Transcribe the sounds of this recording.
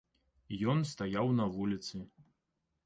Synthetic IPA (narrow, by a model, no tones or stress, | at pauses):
jɔnst̪ajawnɐvulʲit̪sɨ